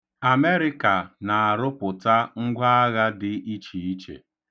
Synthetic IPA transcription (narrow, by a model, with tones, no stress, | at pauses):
a˨me˦ɾɪ˦ka˨na˨a˨ɾʊ˦pʊ˨ta˦ŋ̩˦ɡʷa˦a˦ɣa˦dɪ˨ʔi˦t͡ʃi˨i˦t͡ʃḛ˨